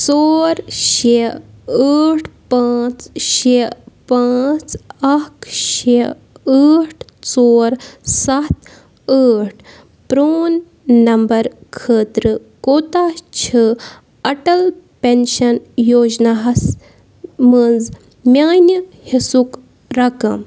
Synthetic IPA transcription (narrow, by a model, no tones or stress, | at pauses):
t͡soːɾʃe | əːʈʰpãːt͡sʃepãːt͡sɐkʰʃe | əːʈʰt͡soːɾsɐt̪ | əːʈʰ | pɾoːnː | ɐmbɐɾkʰəːt̪ɾɨ | koːt̪aːt͡ʃʰɨ | ɐʈɐlpenʃɐnjoːd͡ʒnaɦɐs | mənd͡z | mʲaːnəhisuk | ɾɐkɐ̰m